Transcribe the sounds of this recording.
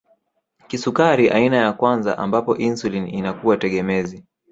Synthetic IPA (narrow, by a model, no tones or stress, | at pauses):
kisukaɾiʔa̰inajakwanza̰ʔa̰mbapɔʔinsulininakuwatɛɠɛmɛzi